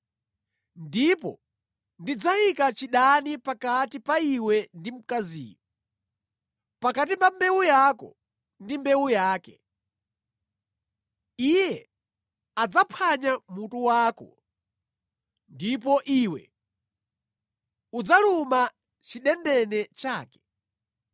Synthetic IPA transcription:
ndipɔ̰ | ndid͡zaikat͡ʃiɗanipakatipaiwɛndim̩kazḭːɔ | pakat̬ipambɛwujakɔ̰ | ndimbɛwujaːkɛ | ijɛ | ad͡zapʰaɲamutuwaːkɔ̰ | ndipɔʔiwɛ̰ | ud͡zaluma | t͡ʃiɗɛndɛnɛt͡ʃaːkɛ̥

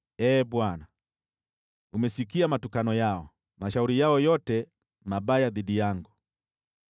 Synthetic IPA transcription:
ɛːbwana | umɛsikiamatukanɔjaɔ | maʃauɾijaɔjɔtɛ | mabajaðidijaŋɡu

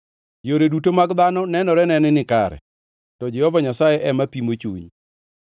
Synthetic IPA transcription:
joɾedutomaɡd̪anɔnɛnɔɾɛnɛnɛnɪkaɾɛ̰ | tɔd͡ʒɛhɔvaɲasajɛʔɛmapimot͡ʃṵɲ

